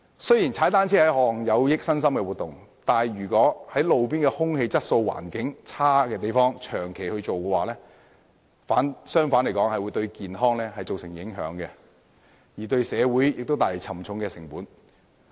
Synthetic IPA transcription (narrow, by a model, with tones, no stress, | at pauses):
sɵ˥ɥjiː˨˩nt͡sʰaː˨˥jt̪aː˥nt͡sʰiː˥hɐ˨˥jhɔː˧˥lɐ˨˩ŋjɐ˨˧wjɪ˥k̚sɐ˥ns̬ɐ˥mkɛː˧wu˨t̪ʊ˨ŋt̪aː˨˩nɥyː˨˩kʷɔː˨˥hɐ˨˥jlo˨wp̬iː˥nkɛ˧hʊ˥ŋhe˧jt͡sɐ˥t̚so˧wwa̰ː˨˩nkɪ˨˥ŋt͡sʰaː˥kɛː˧t̪̬e˨jfɔː˥ŋt͡ʃʰœː˨˩ŋkʰe˨jhɵ˧ɥt͡ʃo˨wkɛ˧waː˨˩lɛː˥ | faː˨˥nsœː˥ŋfaː˨˥nle˨˩kɔː˨˥ŋhɐ˨jwuː˨˧jt̪ɵ˧ɥkiː˨nɦɔː˥ŋlɛː˥ɦɐ˨jt͡so˨wsɪ˨˩ŋjɪ˨˥ŋɦœ̰ː˨˧˥ŋkɛ˧ | jiː˨˩t̪ɵ˧ɥsɛː˨˧wuː˨˥jjɪ˨k̚t̪o˥wt̪aː˨le˨˩t͡sʰɐ˨˩mt͡sʰʊ˨˧ŋkɛː˧sɪ˨˩ŋpuː˨˥n